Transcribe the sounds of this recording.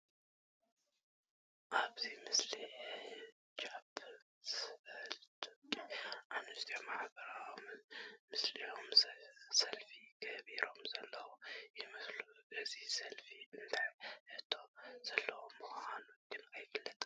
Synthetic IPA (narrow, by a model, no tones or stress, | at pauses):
ʔaβzimɨsli | t͡ʃabɨ | slt̪ʰʼokʼiʔanɨʃt̪ʰiomaħbəɾawmɨnmɨslijomsɐlfiɡəβiɾo̞mzɐlːəwojɛməslubəzihsɐlfiɨnd̪aɨt̪ʰoz̥ɐlːəwomɨxanoɡɨnajɡɨlːət̪ʼ